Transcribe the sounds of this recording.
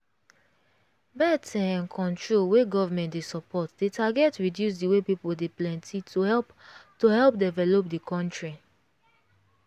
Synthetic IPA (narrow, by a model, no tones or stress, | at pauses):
bɛtʰɛ̃ɛ̃nkʰɔ̃ntɹolweɡɔvamɛ̃ntdesɔpɔtdetʰaɡɛtɹidjus̬diwepipoldeplɛ̃ntitoɛ | tohɛlpdɛvɛlop̚dikʰɔ̃ntɹi